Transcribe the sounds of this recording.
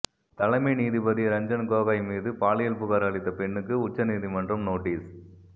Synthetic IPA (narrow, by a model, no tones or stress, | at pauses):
t̪ɐlɐminiːðipɐðiɾɐɲd͡ʒɐnkoːɣajmiːðɯpaːlɪjɐlpʊɣaːɾɐɭɪt̪ːɐpɛɳːɯkːɯʊt͡ʃːɐniːðimɐndrɐmnoːʈːiːs